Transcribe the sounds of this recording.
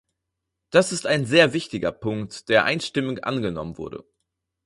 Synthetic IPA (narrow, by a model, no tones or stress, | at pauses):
d̥asɪstaɪnzeːɐvɪçtɪɡɐ̰pʰʊŋktd̥eːɐʔa̰ɪnʃtɪmʊŋʔa̰nɡənɔmənvʊ̰ɐdə̰